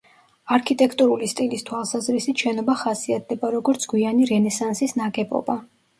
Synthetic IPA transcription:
aɾkʰit̪ʼɛkʰt̪ʼuɾulist̪ʼilist̪ʰwalˠsazɾisit̪ʃɛnɔbaχasiat̪̚ʰd̪ɛbaɾɔɡɔɾt̪sʰɡ̥wianiɾɛnɛsansisnaɡɛbɔ̰ba

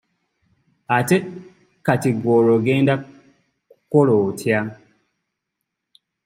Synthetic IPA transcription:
ate | katiɡoɾoɡenda | kolotʰjaŋ

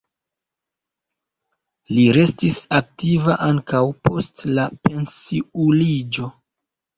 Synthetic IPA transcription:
liɾe̞stisak̚tivaʔaŋkawpo̞stlape̞nsiulid͡ʒo̞

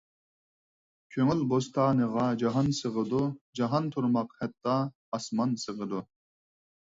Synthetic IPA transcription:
kʲʰøŋylbost̪ʰɑːnɨʁɑd͡ʒɑɦɑnsɨʁəd̪ud͡ʒɑɦɑnt̪ʰuɾmɑqhɛt̪ʰːɑː | smɑnsɨʁəd̪u

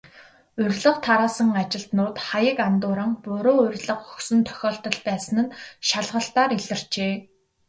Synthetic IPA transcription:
ɵrʲɮə̆χt̪ʰaɾaːsə̆ŋat͡ɕɪ̆ɬt̪nʊːt̪χajə̆kant̪ʊːɾə̆ŋpʊɾoːɵrʲɮə̆χxɵ̥xsɵ̆nt̪ʰœ̥xʲɔːɬt̪ɞ̆ɮpæːsə̆nɘ̆nʃaɮʁə̆ɬt̪aːɾiɮə̆r̥t͡ɕeː

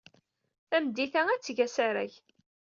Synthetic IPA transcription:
θæmd̪iθææt͡sːʝæsaɾæ̰ʝ

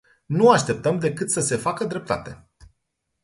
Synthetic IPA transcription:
nuaʃt̪e̞p̚t̪əmd̪e̞kɨt̪səse̞fakəd̪ɾe̞p̚t̪a̰t̪e̞

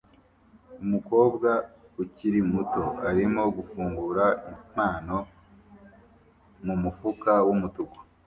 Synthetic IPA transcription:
umuko̞ːbɡa | uciɾimuto̞aɾimo̞ɡufuːŋɡuɾaim̥aːno̞ | mumufukawumutuɡo̥

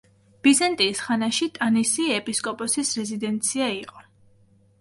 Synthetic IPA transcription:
b̥izant̪ʼiːsχanaʃit̪ʼanisiɛpʼiskʼɔpʼɔsisɾɛzid̪ɛnt̪sʰiaiqʼɔ

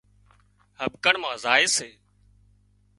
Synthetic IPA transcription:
ɦəbkəɳmãːzaːɪseː

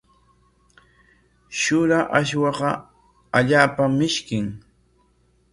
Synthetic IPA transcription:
ʃʊɾaʔaʃwɑqɑ | aʎaːpamɪʃkɪŋ

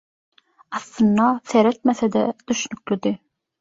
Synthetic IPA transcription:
ɑθlˠɯnːɑθeɾet̪̚meθed̪ɛd̪̥yʃnyklyd̪i

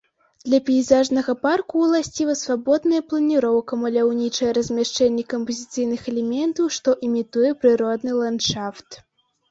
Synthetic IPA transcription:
d̪̥lʲɐpʲɛizaʐnɐɣɐparkuːlˠasʲt͡sʲivɐsvabɔd̪nɐjɐplˠɐnʲiɾɔwkɐmɐlʲawnʲit͡ʂɐjɛɾɐzʲmʲaʂt͡ʂɛnʲːɛkɐmpɐzʲit̪sɨjnɨxɐlʲɛmʲɛnt̪ɐwʂt̪ɔʔimʲit̪ujɛpɾɨɾɔd̪nɨlˠanʂaft̪

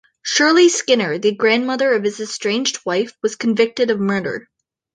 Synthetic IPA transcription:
ʃʊɹlˠiskɪ̃nə˞ðɨɡɹæ̃nmʌðə˞ʌv̥ɨzɨstɹ̥ẽɪ̃nd͡ʒd̚waɪfwʌz̥kʰɨ̃ɱvɪk̚tɨɾʌvmɜ˞ɾə̰˞

